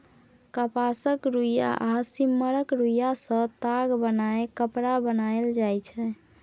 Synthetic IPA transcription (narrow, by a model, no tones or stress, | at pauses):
kəpasəkɾuja̰ʔasimːəɾəkɾujasə̃t̪aɡbənaekəpɾabənajld͡ʒajt͡ʃʰɛ